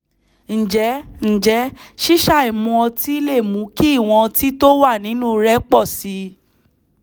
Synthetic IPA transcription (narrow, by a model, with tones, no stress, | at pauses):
n̩˨d͡ʒɛ˨˦n̩˨d͡ʒɛ˨˦ʃi˦ʃa˦˨i˨mũ˧ɔ˧ti˦i˦le˦˨mũ˨˦ki˦˨w̃ɔ̃˧ti˦to˦wa˦˨nĩ˨˦nũ˦˧ɾɛ˦k͡pɔ˦˨si˧